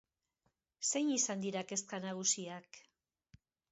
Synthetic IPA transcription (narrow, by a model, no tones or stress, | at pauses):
se̞jɲisand̪iɾake̞skanaɣ̞usiak